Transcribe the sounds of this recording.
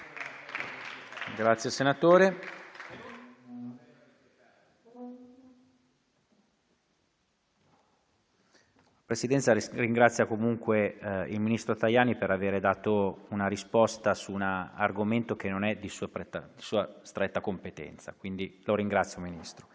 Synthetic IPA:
ɡɾat̪sːjesenat̪oːɾe | pɾesid̪ɛnt̪sariŋɡɾat̪sːjakomuŋkweḭlminist̪ɾot̪ajaːnipeɾaveːɾed̪aːt̪ounaɾispɔst̪asuna̰ːrɡoment̪ok̟enːonɛd̪isuːɛt̪ːa̰d̪isuːast̪ɾɛt̪ːakompet̪ɛ̰nt̪sa̰kwind̪iloɾiŋɡɾat̪sːjominist̪ɾo

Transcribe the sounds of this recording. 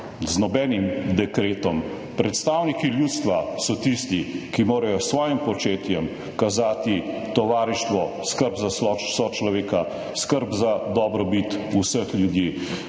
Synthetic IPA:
znɔbɛːnimd̪ɛkɾeːt̪ɔm | pɾɛt̪st̪aːwnikiljuːt̪st̪ʋasɔt̪ist̪ikimoːɾajɔsʋɔːjimpɔt͡ʃeːt̪jɛm | kazaːt̪it̪ɔʋaːɾiʃt̪ʋɔ | skəɾbzasɔsɔt͡ʃlɔʋeːka | skəɾbzad̪ɔbɾɔbit̪usəxljud̪jiː

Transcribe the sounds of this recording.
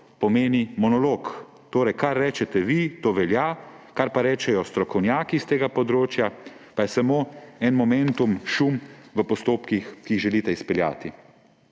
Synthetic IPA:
pɔmeːnimɔnɔlok | t̪oːɾɛjkaɾːɛːt͡ʃɛt̪ɛʋit̪oːʋɛljakaɾpaɾɛːt͡ʃɛjɔst̪ɾɔkɔwnjaːkist̪eːɡapɔd̪ɾoːt͡ʃja | pajɛsamoːɛnmɔmɛnt̪umʃumʋəpɔst̪oːpkixkiːɣʒɛlit̪ɛispɛlja̰ːt̪i

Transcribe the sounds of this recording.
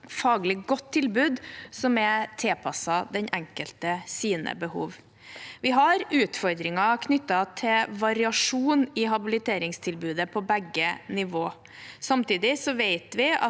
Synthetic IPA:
fɑːɡlɪɡɔt̪ʰːɪlbʉːd̪sɔmɛt̪ʰɛpʰɑsɑd̪ɛɲɛŋkəlt̪əsiːnə̰bəhṵːʋ | ʋɪɦɑɾʉːt̪fɔɾd̪ɾɪŋɑkʰnʏt̪ːɑt̪ʰɪʋɑɾɪɑʂuːnɪɦɑbɪlɪt̪ʰeːɾɪŋst̪ʰɪlbʉːd̪əpʰɔbɛɡːənɪʋoː | sɑmt̪iːd̪ɪsɔʋeɪt̪ʋɪɑ̰

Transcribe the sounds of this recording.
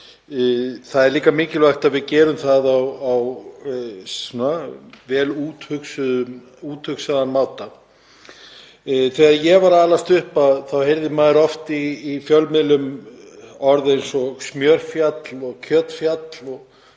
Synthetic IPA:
θaðɛɾliːkamɪːcɪlvaxt̪aðvɪðcɛːɾʏmθaðawaw | ɔnːavɛːluːt̪hʏksʏðʏ | uːt̪hʏksaðanmaːwt̪a | θɛɣaðjɛvaɾaːlast̪ʏhpaðθawhejɾðɪmaːðɾɔft̪iːfjœlmɪlʏm | ɔɾðejnsɔsmjœɾ̥fjat̪lɔɣcʰœːt̪fjat̪lɔɣ

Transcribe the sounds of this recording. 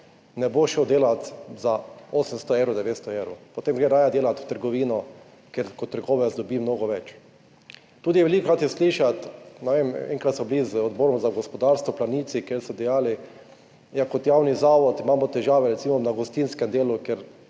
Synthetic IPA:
nɛboʃɛd̪eːlat̪zaoːsɛmst̪ɔewɾɔd̪ɛʋeːt̪st̪ɔewɾʊpot̪eːmɡɾeɾaːjad̪eːlat̪ʋt̪əɾɡɔʋiːnɔ | kɛɾkot̪ːəɾɡoːʋɛzd̪ɔbiːmnoːɡɔʋɛt͡ʃ | t̪uːd̪ijɛʋɛlikɾat̪jɛsliːʃat̪nɛʋemɛ̰ŋkɾat̪sɔblizɔd̪boːɾɔmzaɡɔspɔd̪aɾst̪ʋɔplaniːt̪sikeɾsɛd̪ɛjaːli | jakɔt̪jaːwnizaːʋɔt̪imaːmɔt̪ɛʒaːʋɛɾɛt̪siːmɔnaɡɔst̪inskɛmd̪eːlukeɾ

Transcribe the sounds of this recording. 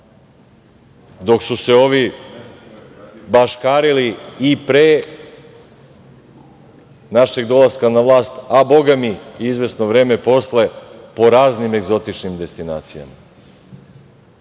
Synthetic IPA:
d̪o̞ksuse̞o̞ʋi | baʃkaːɾiliːpɾeː | naʃeɡd̪o̞lˠaskanaʋlˠaːst̪abo̞ɡamiizʋe̞sno̞ʋɾe̞ːme̞po̞sle̞po̞ɾaːznime̞ɡzo̞t̪it͡ʃnimd̪e̞st̪ina̰ːt̪sija̰ma

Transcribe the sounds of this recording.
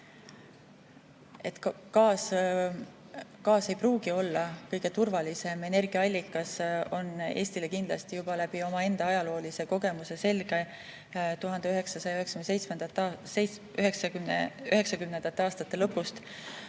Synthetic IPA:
e̞t̪kkɑːs | kɑːse̞jpruːɡ̥io̞lːɑkɤjɡ̥e̞t̪urvɑlise̞me̞ne̞rɡ̥iɑɑlʲːikːˑɑso̞nːe̞ːst̪ile̞kind̪lɑ̰st̪ijub̥ɑlæb̥io̞mɑe̞nd̪̥ɑɑjɑlo̞ːlise̞ko̞ɡ̥e̞muse̞se̞lɡe̞ | t̪uɦɑnd̪eyɦe̞ksɑsɑjɑyɦekskymnsejt̪smend̪̥ɑt̪ːe | yɦeksɑyyɦe̞ksɑkymnend̪ɑt̪ːeɑːst̪ɑt̪ːˑe̞lɤpːust̪

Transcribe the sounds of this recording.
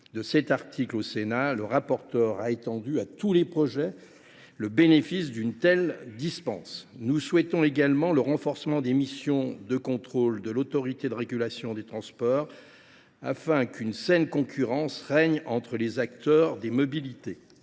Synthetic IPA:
d̪əsɛt̪aʁt̪ʰiklosenaləʁapɔʁt̪œʁaet̪ɑ̃d̪yat̪ulepχɔʒɛ | ləbenefis̬d̪ynt̪ɛld̪ispɑ̃snuswɛt̪ɔ̃eɡalmɑ̃ləʁɑ̃fɔʁsmɑ̃d̪emisjɔ̃d̪əkɔ̃t̪χold̪əlot̪ɔʁit̪ed̪əʁeɡʲylasjɔ̃d̪et̪χɑ̃spɔʁ | a̰fɛ̃kʰynsɛnkɔ̃kʲʰyʁɑ̃sʁɛɲɑ̃t̪χəlezakt̪œʁd̪emɔbilit̪e

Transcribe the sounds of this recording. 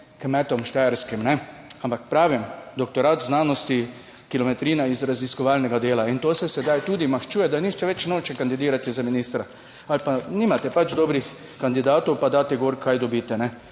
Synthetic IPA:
kmɛt̪ɔmʃt̪ɛɛɾskimnɛ | ampakpɾaːʋimd̪ɔkt̪ɔɾaːt̪znaːnɔst̪i | kilɔmɛt̪ɾiːnaizɾaziskɔʋaːlnɛɡad̪eːlaint̪oːsɛsɛd̪ajt̪uːd̪imaxt͡ʃuːjɛd̪aniʃt͡ʃɛʋɛt͡ʃnoːt͡ʃɛkand̪id̪iːɾat̪izaminiːst̪ɾa | alpaniːmat̪ɛpat͡ʃd̪oːbɾix | kand̪id̪aːt̪ɔwpad̪aːt̪ɛɡoɾkʰajd̪ɔbiːt̪ɛnɛ

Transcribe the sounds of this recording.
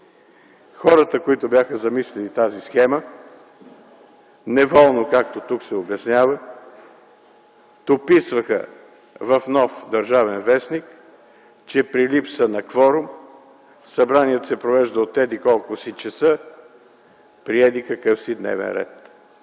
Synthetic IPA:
xɔɾət̪əkoit̪obʲjaxəzɐmislɛlit̪azisxɛmə | nɛvɔlˠnokak̚t̪ot̪uksɛobɛsnʲavə | t̪opisvəxə̰ | vɐfnɔfd̪ɐɾʒavɛnvɛsnik | t͡ʃɛpɾilipsənɐkvɔɾʊm | sɐbɾaniɛt̪osɛpɾovɛʒd̪ɐot̪ɛd̪ikɔlˠkʊsit͡ʃɛsə | pɾiɛd̪ikɐkəfsid̪nɛ̰vɛ̰nɾɛ̰t̪

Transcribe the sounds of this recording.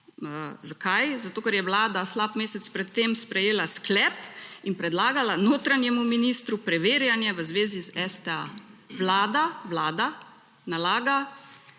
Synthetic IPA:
əzakajzat̪oːkɛɾjɛʋlaːd̪aslapmeːsɛt̪spɾɛt̪ːemspɾɛjeːlasklɛpinpɾɛd̪laːɡalanoːt̪ɾanjɛmuminist̪ɾupɾɛʋeːɾjanjɛʋəzʋeːzizɛst̪ɛaʋlaːd̪aʋlaːd̪a | nalaːɡa

